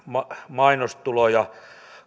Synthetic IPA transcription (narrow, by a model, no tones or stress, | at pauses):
mɑmɑinost̪ulojɑ